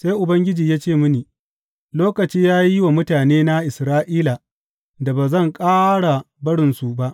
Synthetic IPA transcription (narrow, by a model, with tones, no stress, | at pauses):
se˦jʔʊ˨bɐ˦ŋɡʲɪ˦d͡ʒiː˨jaː˦t͡ʃeː˦˨mʊ˦niː˨ | loː˦kɐ˨t͡ʃiː˦jaː˦ji˦wa˨mʊ˦taː˨neː˦na˦ʔɪ˨sɾaː˦ʔiː˦la˨ | da˨baː˨zɐ˦˨ŋkʼaː˦ɽa˨ | bɐ˦ɽɪ˨nsu˨ba˦ʔ